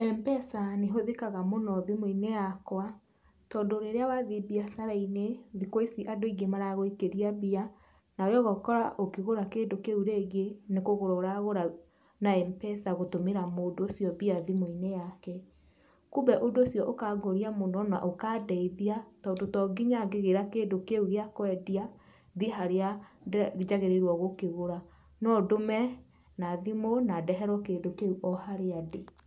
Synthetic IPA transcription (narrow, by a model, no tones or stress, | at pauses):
ɛmpɛsaneɦoðekaɣamonɔðimoinɛjakwa | tɔːndoɾeɾeawaðibiasaɾaineðikwoisiʔadoiɡemaɾaɣoikeɾiabia | naojɔɣɔkɔɾaʔokeɣoɾakeːdokeɾuɾeɣenekoɣoɾɔɾaɣoɾa | naɛmpɛsaɣotomeɾamodoːsjɔbiaðimoinɛjakɛ | kubɛʔondoːsjɔʔokaɡoɾiamonɔna̰ʔokadɛiðiatɔndotɔɡiɲaɡeɣeɾakeːdokeuɣeakwɛdia | ðiɦaɾea | d͡ʒaɣeɾeɾwɔɣokeɣoɾa | nɔdomɛ | naðimonadɛɦɛɾwɔkeːdokeuʔɔhaɾeade